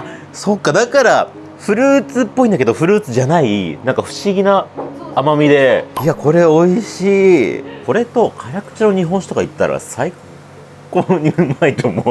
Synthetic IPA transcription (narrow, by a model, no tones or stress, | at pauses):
so̞kːad̪akaɾa | ɸɯ̟ɾɯ̟ːt͡sɨpːo̞ĩnd̪ake̞d̪oɸɯ̟ɾɯ̟ːt͡sɨʑanainãŋkaɸɯ̟̥ɕiɡʲinaamamʲid̪e̞iako̞ɾe̞o̞iɕiːko̞ɾe̞t̪o̞kʰaɾʲakɯ̟̥t͡ɕino̞ɲ̟iɦõ̞ɰ̃ɕi̥t̪okait̪ːa̰ɾa̰sai | koɲ̟iɯ̟mait̪ʰo̞mo